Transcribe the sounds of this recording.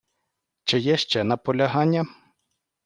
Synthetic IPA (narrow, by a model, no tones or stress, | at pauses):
t͡ʃɪjɛʃt͡ʃɛnɐpɔlʲɐɦɑnʲːɐ